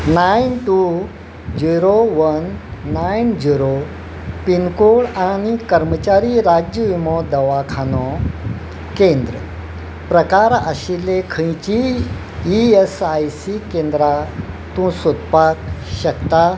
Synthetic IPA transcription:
najnʈu | d͡ʑiɾoʋənːajnd͡ʑiɾo | pinkoɭañikəɾmət͡ɕaɾiɾad͡ʑəʋimɔd̪əʋakʰanɔ | kẽnd̪ɾə | pɾəkaɾə̰ɕilːekʰə̃jt͡ɕi | iesajsikẽnd̪ɾa | t̪ũsot̪pakɕəkt̪a

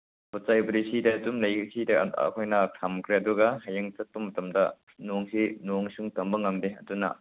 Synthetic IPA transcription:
pɔt͡ʃajbɐɾisidɐtumlɐjsidɐ̰kʰojnɐkʰɐmkɾeɐduɡɐhɐjɐŋt͡ʃɐt̚pumɐtɐmdɐ | noŋsinoŋsuŋtɐmbɐŋɐmdeɐ̰dunɐ̰

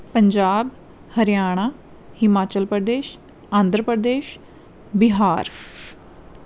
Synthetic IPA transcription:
pəɲd͡ʒaːb | həɾjaːɽ̃aː | hɪmaːt͡ʃəlpɾəd̪eːʃ | ãːnd̪ɾəpɾəd̪eːʃ | bɪɦaːɾ

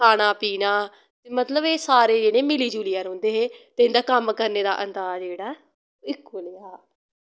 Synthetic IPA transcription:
kʰaːɽ̃aːpiːnaː | t̪eːmət̪ləbeːsaːɾeːd͡ʒeːɽ̃ẽːmɪliːd͡ʒuːlɪjaːɾɦʊ̃ːnd̪eːɦeːt̪eːɪnd̪aːkəmkəɾneːd̪a̰ːʔənd̪aːzd͡ʒeːɽaː | ɪkːolaː

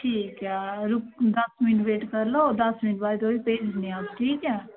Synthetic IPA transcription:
ʈʰiːkɛɾʊkd̪əsmɪnʋeːʈkəɾloːd̪ɐsmɪnʈbaːɾt̪oːipeːd͡ʒnĩaːsʈʰiːkɛː

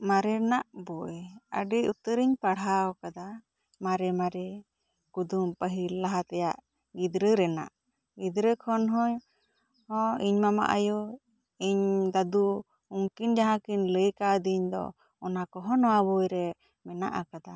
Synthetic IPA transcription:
maɾɛɾɛnaʔbɔjə̰ɖiut̪əɾiɲpaɽɦawkad̪a | maɾɛmaɾɛ | kud̪umpəɦillaɦat̪ɛjaʔ | ɡid̪ɾəɾɛna̰ʔ | ɡid̪ɾəkʰɔnɦɔɲ | hɔ̃iɲmama̰ʔa̰ju | iɲd̪ad̪u | uŋkind͡ʒaɦãkiɲləjkad̪iɲd̪ɔ̰ | ɔnakɔɦɔnɔwabɔjɾɛ | mɛna̰ʔakad̪a

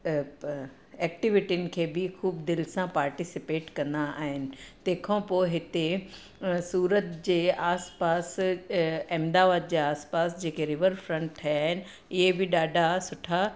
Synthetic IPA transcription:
ɛːk̚ʈɪʋɪʈiʊnɪ̆kʰeːbɪxuːbd̪ɪlsãpaːɾʈisɪpeːʈkɐ̃nd̪aaːɦɪnɪ̆t̪ẽːkʰãpoːɦɪt̪e | suːɾət̪d͡ʑeːaːspaːs | ɛ̃md̪aːʋaːd̪̚d͡ʑeːaːspaːsd͡ʑeːkeɾɪʋəɾfɾɐ̃ɳʈ̚t̪ʰɐjaːɦɪnɪ̆ | ɪɦebɪɗaːɖʱasʊʈʰa

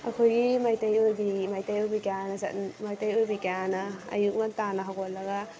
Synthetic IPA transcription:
ɐ̰kʰojɡimajtajojbimajtajɔjbikejanɐsa̰tmajtajojbikejanɐɐ̰juk̚mantanɐɦawkɔt̚lɐɡa

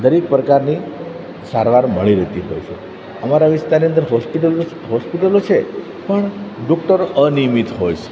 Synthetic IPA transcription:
d̪əɾek̚pɾəkaɾni | saɾʋaɾməɭiɾət̪iɦo̰jt͡ʃʰḛ | əmaɾaʋist̪aɾniənd̪əɾɦɔspiʈəl | ɦɔspiʈəlot͡ʃʰe | pəɳɖɔk̚ʈəɾənimit̪ɦojt͡ʃʰe̥

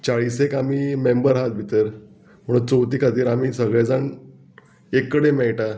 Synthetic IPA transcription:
t͡ɕaɭisekamiːmembəɾɦat̪̚bʱit̪əɾ | m̤əɽut͡sowt̪iːkʰat̪iːɾamiːsəɡɭjad͡zaɳ | ekːəɽemɛɭʈa

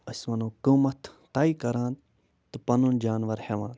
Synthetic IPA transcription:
ɐsmɐnuːkuːmɐt̪ʰt̪aːikɐɾãːn | t̪ɨpɐnund͡ʒaːnʋɐɾheʋãːn

